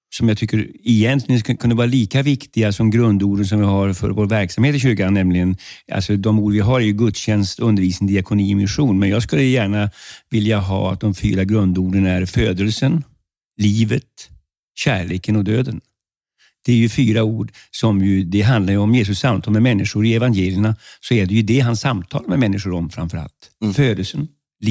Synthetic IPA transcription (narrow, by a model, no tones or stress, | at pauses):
sɔmjɑɡt̪ʰʏkːəɾɪjɛnt̪lɪɡənkʰɵnːəvɑːɾaliːkavɪkt̪ɪɡasɔmɡɾɵnd̪uːɖəns̬ɔmvɪhaɾfœ̰ɾvoːɾvæɾksamheːt̪ɪɕʉːkanːɛmlɪɡənʔa̰lsɔd̪ɔmuːɖəvɪɦaɾæɾjɵɡɵt̪ɕɛnst̪ɵnd̪əɾviːsnd̪ɪakʰʊniːɪmɪnɧuːnmɛnjɑːɡskɵlːəjæːɳavɪljaɦɑ̰ːa̰t̪̚d̪ɔmfy̰ːɾaɡɾɵnd̪uːɖənæɾføːd̪əlsən | liːvət̪ | ɕæ̰ːɭeːkənɔd̪øːd̪ən | d̪̥ɛæɾjɵfyːɾauːɖsɔmjɵd̪ɛɦand̪laɾjəɔmjeːs̬ɵsːamt̪ʰɑːlmɛmɛnːɪʂʊɾɪɛvanjeːlɪəɳasɔɛɖɛjɵd̪ɛɦansːamt̪ʰɑ̰ːlmɛmɛnːɪʂʊɾɔmfɾa̰mfœɾa̰lt̪føːd̪əlsən | l